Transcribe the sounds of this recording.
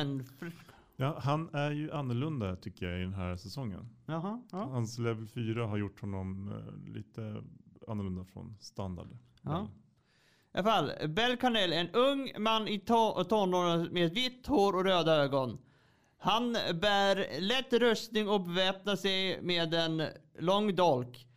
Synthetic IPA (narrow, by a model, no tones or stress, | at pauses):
jɑːɦanæɾjɵʔanːɔɭɵnd̪at̪ʰʏkːəjaɪd̪ɛnɦæːɾsɛsɔŋːə̰n | hanslɛvɛlfyːɾaɦaɾjʊʈːhɔnːɔmlḭːt̪əa̰nːʊɭɵnd̪afɾɔ̰nst̪and̪a̰ɖ | ʔa̰falːbɛlkʰanɛlɛnɵŋmanːɪt̪ʰɔnːoːɾənmeːd̪vɪt̪ːhoːɾɔɾøːd̪aøːɡɔn | hanbæːɾlɛt̪ːɾɵst̪nɪŋɔbɛvɛːp̚nasɛjmeːd̪ɛn | lɔŋːd̪ɔlk